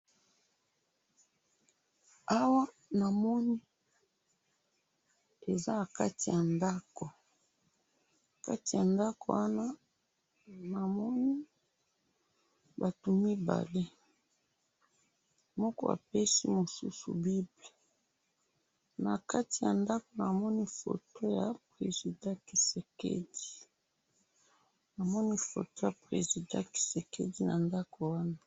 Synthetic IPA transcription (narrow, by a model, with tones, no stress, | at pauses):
a˦wa˦ | na˨mɔ˦ni˦ | e˨za˦na˨ka̰˦ti˨ja˨nda˦kɔ˨ | ka˦ti˨ja˨nda˦ko̰˨wa˦na˦ | na˨mɔ˦ni˦ | ba˨tu˨mi˦ba̰˨le˦ | mɔ˦kɔ̰˦a̰˨pe˦sḭ˦mo˨sṵ˦sṵ˨bi˦ble˨ | na˨ka˦ti˨ja˨nda˦ko˨na˨mɔ˦ni˦fo̰˨to˦ja˨pʁe˨zi˨dã˦ki˨se˨kḛ˦di̥˨ | na˨mɔ˦ni˦fo̰˨to˦ja˨pʁḛ˨zi˨dã̰˦ki̥˨se˨kḛ˦di˦na˨nda˦ko˨wa˦na˦